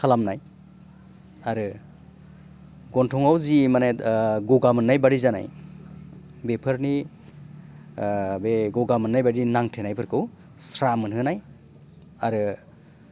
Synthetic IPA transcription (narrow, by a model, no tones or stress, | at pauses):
kʰalamnaj | aɾɯ | ɡɔntʰɔŋawzimaneɡɔɡamɯnːajbaɾizana̰j | bepʰɯɾni | beɡɔɡamɯnːajbaɾinaŋtʰenajpʰɯɾkʰɯw | sɾamɯnɦɯnaj | aɾɯ